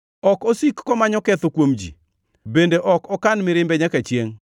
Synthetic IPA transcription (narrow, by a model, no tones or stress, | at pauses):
ɔkosikːɔmaɲɔkɛt̪okwomd͡ʒḭ | bendeʔɔkɔkanmɪɾɪmbɛɲakat͡ʃjeŋ